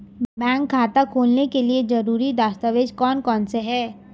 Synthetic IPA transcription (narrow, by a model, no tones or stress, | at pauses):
bɛ̃ːŋkʰːaːt̪akʰoːlnekelied͡ʒɐɾuːɾid̪aːst̪aʋeːd͡ʒkɔːnkɔːnseɦɛː